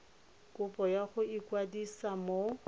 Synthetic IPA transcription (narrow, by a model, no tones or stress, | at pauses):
kʼʊpʼɔjaχʊikwadisamo